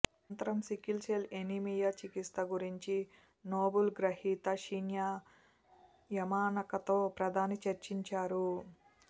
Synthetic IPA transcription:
nt̪ɐɾɐmsikilselenimijɐt͡ʃikist̪ɐɡuɾiɲt͡ʃi | noːbulɡɾɐhiːt̪ɐʃinja | jɐmaːnɐkɐt̪o̞ːpɾɐd̪ʱaːnit͡ʃɐɾt͡ʃiɲt͡ʃaːɾu

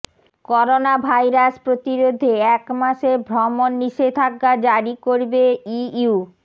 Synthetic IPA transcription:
kɔɾonabʱajɾaspɾot̪iɾod̪ʱːeɛkmaʃebʱɾɔmonːiʃet̪ʰakːad͡ʑaɾikoɾbeiu

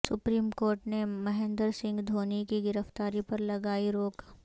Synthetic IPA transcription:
sʊpɾiːmkoːɾʈnemɐɦẽːnd̪əɾsɪ̃ŋɡd̪ʱoːnikiɡɪɾəft̪aːɾipɐɾlɐɡaːiɾoːk

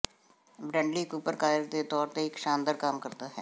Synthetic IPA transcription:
bɾɛ̃ːɳɖliːkuːpəɾkaːɪɾd̪eːt̪ɔːɾt̪eːɪkʃaːnd̪əɾkamkəɾd̪aːɦɛː

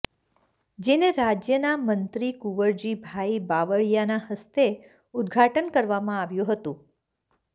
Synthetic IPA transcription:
d͡ʒeneɾad͡ʒjənamənt̪ɾikuʋəɾd͡ʒibʱaibaʋəɭjanahəst̪e | ʊd̪ɡʱaʈənkəɾʋamãaʋjũɦət̪ũ

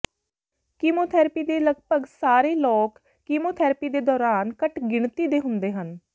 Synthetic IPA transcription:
kiːmoːt̪ʰɛːɾpiːd̪eːləɡpəɡsaːɾeːlɔːkː | iːmoːt̪ʰɛːɾpiːd̪eːd̪ɔːɾaːnkəʈɡɪɳt̪iːd̪eːɦʊnd̪eːɦən

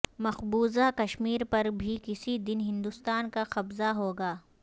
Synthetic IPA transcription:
mɐxbuːzakɐʃmiːɾpɐɾbʱikɪsid̪ɪnɦɪ̃nd̪ʊst̪aːnkaxɐbzaɦoːɡaː

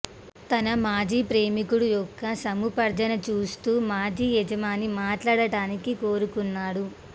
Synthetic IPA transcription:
t̪ɐnɐmaːd͡ʒiːpɾeːmikuɽujɔkːɐsɐmupɐɾd͡ʒ̪ɐnɐt͡ʃuːst̪uːmaːd͡ʒiːjɛd͡ʒɐmaːnimaːʈlaːɽɐɽaːnikikoːɾukunːaːɽu

